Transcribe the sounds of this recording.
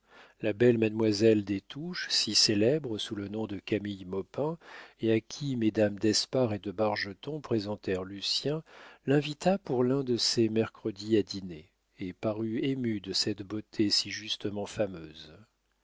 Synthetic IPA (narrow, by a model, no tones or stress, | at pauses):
labɛlmad̪mwazɛld̪et̪uʃsiselɛbʁəsulənɔ̃d̪əkʲamijmɔpɛ̃eakʲʰimed̪amd̪ɛspaʁed̪əbaʁʒət̪ɔ̃pχezɑ̃t̪ɛʁlysjɛ̃lɛ̃vit̪apuʁlɛ̃d̪əsemɛʁkχəd̪iad̪ineː | paʁyemyd̪əsɛt̪bot̪ʰesiʒyst̪əmɑ̃famøːz